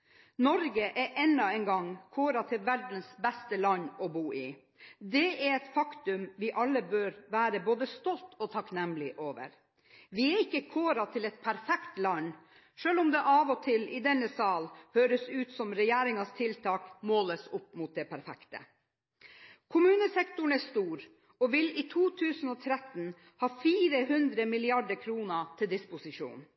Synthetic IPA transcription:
nɔɾɡəʔɛʔɛnːɑɛnɡɑŋkʰoːɾɑt̪ʰɪlʋæɾɖnsbɛst̪əlɑnːɔbuːʔɪ | d̪ɛɛɾɛt̪fɑkt̪ʉmʋɪʔɑlːəbøːɾʋæːɾəboːd̪əst̪ɔlt̪ʰɔt̪ʰɑknɛmlɪʔoːʋə̰ɾ | ʋɪɛɾɪkːəkʰoːɾɑt̪ʰɪlɛt̪pʰæɾfɛkt̪lɑn | ʂøːlʊmd̪ɛʔɑːʋɔt̪ʰɪlɪd̪ɛnːəsɑːlhøːɾəsʉːt̪sɔmɾɛjeːɾɪŋɑst̪ʰɪlt̪ʰɑːkmoːləsʊpːmʊːt̪̚d̪ɛpʰæɾfɛ̰kt̪ə̰ | kʰʊmʉːnəsɛkt̪ʊɳɛst̪uːɾ | ɔʋɪliːt̪ʰuːt̪ʰʉːsn̩ɔːt̪ʰɾɛt̪n | hɑːfiːɾəhʉnd̪ɾəmɪlɪɑɖəɾkʰɾuːnət̪ʰɪld̪ɪspʊsɪʂṵːn

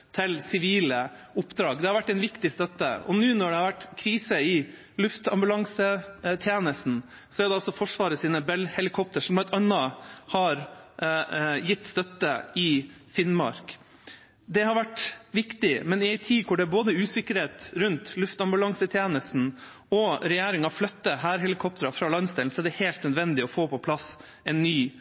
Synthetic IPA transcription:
t̪ʰɪlsɪʋiːləʊpːd̪ɾɑːɡd̪ɛhɑɾʋæʈːɛɪnʋɪkt̪ɪst̪œt̪ːə̰ɔ̰nʉːnɔɖɛhɑɾʋæʈːkʰɾiːsəɪ | lʉft̪ɑ̰mbʉlɑŋsət̪ʰjeːnəst̪n̩ | sɔæɾɖ̪ɛɑlsɔfɔʂʋɑːɾəsiːnəbɛlhɛlɪkʰɔp̚t̪əʂɔmb̪ɛt̪ɑnːɑhɑɾ | jɪt̪ːst̪œt̪ːəɪfɪnmɑ̰ɾk | d̪ɛhɑɾʋæʈʋɪkt̪ɪmɛnɪæɪt̪ʰiːkʰʊɖɛæboːd̪əʉːsɪkəɾheːt̪ɾʉnt̪lʉft̪ɑmbʉlɑŋsət̪ʰjeːnəst̪n̩ | ɔɾɛjeːɾɪŋɑflœt̪ːəɦæːɾɦɛlɪkʰɔp̚t̪əɾɑfɾɑːlɑnsd̪ɛln̩sɔæɖɛheːlt̪nœd̪ʋɛnd̪ɪɔfoːpʰɔpʰlɑs | ɛnːyː

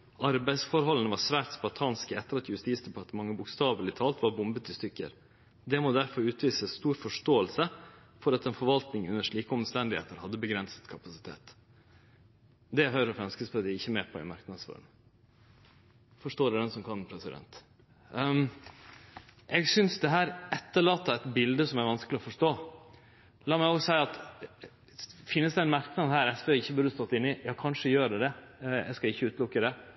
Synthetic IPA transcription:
ʔɑɾbæɪsfɔɾɦɔlənəʋɑɾsʋæːt̪sbɑt̪ʰɑːnskəɛt̪ːəɾɑt̪jʉst̪iːsd̪ɛpʰɑɾt̪əmɑŋːəbʊkst̪ɑːʋəlɪt̪ʰɑːlt̪ʋɑɾbʊmbət̪ɪst̪ʏkːə̰ɾ | d̪ɛmoːd̪æɾfɔɾʉːt̪ʋiːsəst̪uːɾfɔʂʈoːəlsə | fɔɾɑt̪ɛnfɔɾʋɑlt̪nɪŋʉnːəʂɭiːkəɔmst̪ɛnd̪ɪhḛːt̪əɾhɑd̪ːəbəɡɾɛnsə̥t̪kʰɑpɑsɪt̪ʰḛːt̪ | d̪ɛɦœʏɾəɔfɾɑnskəspʰød̪ɪɪçːəmeːpʰɔɪ̰mɑɾknɑd̪sfø̰ɾɳ | fɔʂʈoːɾɛd̪ɛnsɔmkʰɑnːpʰɾɛsɪd̪ɛ̰nt̪ | ʔɛɡsʏnsd̪ɛɦæːɾɛt̪ːəɭɑːt̪ːɑɛt̪bɪld̪əsɔmæɾʋɑnskəlɪɔfɔʂʈoː | lɑːmæɪoːsæɪɑt̪ | fɪnːəsd̪ɛænmɑɾknɑd̪hæːɾɛsʋeːɪçːəbʉɾd̪əst̪ɔt̪ːɪnːɪjɑːkʰɑnʂəjøːɾəd̪ɛɛ̰skɑɪçːəʉːt̪lʊkːəd̪ɛ

